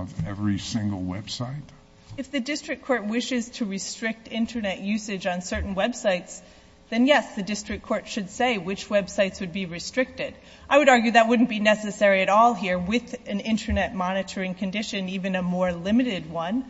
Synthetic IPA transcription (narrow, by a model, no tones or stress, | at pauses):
vɛvɹisɪ̃ŋɡl̩ˠwɛb̥saɪt | ɨfðɨdɪstɹ̥ɨk̚kʰɔɹt̚wɪʃɨz̥tʰɨɹɨstɹ̥ɪk̚tɪ̃ntʰə˞nɛʔjʉsɨd͡ʒ̃n̩sɜ˞ʔn̩wɛb̥saɪts | ðɨ̃njɛsðɨdɪstɹ̥ɨk̚ʰɔɹtʃɨdseɪwɨt͡ʃwɛb̥saɪtswɨd̚biɹɨstɹ̥ɪk̚tɪd | ʔaɪwɨɾɑɹɡjʉðɨt̚wʊdⁿn̩b̥inɛsɨsɛɹiɨɾɔlˠɦiɹwɪðɨ̃nɪ̃ntʰə˞nɛt̚mɑnɨɾə˞ɪ̃ŋkʰɨ̃ndɪʃɨ̃nivɨ̃nɨmɔɹlɪ̃mɨɾɪd̚wʌ̃n